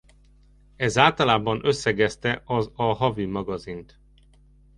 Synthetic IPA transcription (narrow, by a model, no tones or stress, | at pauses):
ɛzaːlt̪ɒlaːbɒnø̞sːɛɡɛst̪ɛʔɒzɒɦɒvimɒɡɒzint̪